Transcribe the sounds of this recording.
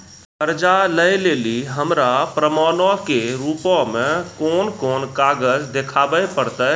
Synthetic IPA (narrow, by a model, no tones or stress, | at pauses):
pəɾd͡ʒaləeleːliɦəmɾapɾəmaːnokeɾuːpõmẽkoːnkoːnkaːɡəd͡ʒd̪ekʰaːbəepəɾt̪ə